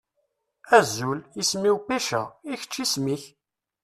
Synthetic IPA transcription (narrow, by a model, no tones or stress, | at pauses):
æzːulismiwkæʃæiçə̥t͡ʃːismiç